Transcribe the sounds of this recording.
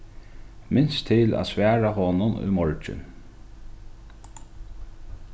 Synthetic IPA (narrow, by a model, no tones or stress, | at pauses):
mɪnst̪ʰɪlæ̰ːsʋæːɹahɔnʊnṵmɔɹt͡ʃɪ̰n